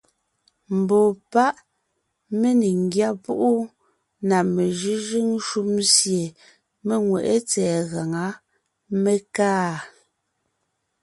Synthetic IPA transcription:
m̩˨bɔ˨pa˦ʔ | me˦ni˨ŋ˨ɡja˦˨pu˦ʔu˦ | na˨me˨ʒʉ˦ʒi˦ŋ˦ʃu˦msje˨ | me˦ŋwɛ̰˨ʔe˦t͡sɛː˨ɣa˨ŋa˨˦ | me˦kaː˦

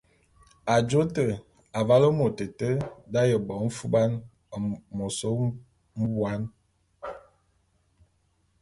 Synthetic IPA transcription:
a˨d͡ʒo˦tə˨ | a˨va˦lə˦mo˨tə˨tə˦da˦jə˨bɔ˨m̩˦fu˦ba˦n˨ | mo˨so˦ | m̩˦bwa˦n

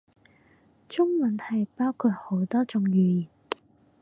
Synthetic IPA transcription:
t͡ʃʊ˥ŋwɐ˨˥nhɐ˨˩jpaː˥wkʰu˧t̚ho˨˥wt̪ɔː˥t͡sʊ˧ŋjyː˨˧jiː˨˩n

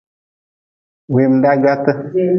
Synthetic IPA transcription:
we˨mda˦ɡa˦tə˦

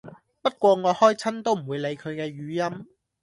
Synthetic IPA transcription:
pɐ˥t̚kʷɔː˧ŋɔː˨˧hɔː˥jt͡sʰɐ˥nt̪o˥wm̩˨˩wuː˨˧jle˨˧jkʰɵ˨˧ɥkɛː˧ɥyː˨˧jɐ˥m

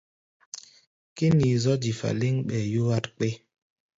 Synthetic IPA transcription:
ki˦ni˨zɔ˦d͡ʒi˨fa̰˨li˦ŋɓɛ˨ju˦wa˦tk͡pe˦

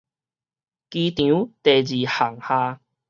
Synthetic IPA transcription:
ki˧t̪jũ˨˦t̪e˨˩d͡ʑi˨˩ha˨˩ŋhãː˧

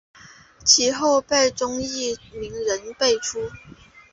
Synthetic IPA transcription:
t͡ɕʰi˧˥xo˥˧ʊpe˥˩ɪʈ͡ʂʊ˥ŋi˥˩mi˧˥ŋɻə˧˦˥npe˥˩ɪʈ͡ʂʰu˥

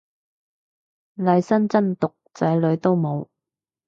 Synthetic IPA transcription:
lɐ˨˧jsɐ˥nt͡sɐ˥nt̪ʊ˨k̚t͡sɐ˨˥jlɵ˨˧ɥt̪o˥wmo˨˧w

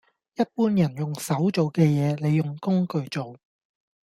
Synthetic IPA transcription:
jɐ˥t̚puː˥njɐ˨˩njʊ˨˩ŋsɐ˨˥wt͡so˨wkɛː˧jɛː˨˧le˨˧jːʊ˨ŋkʊ˥ŋkɵ˨˧ɥt͡so˨w

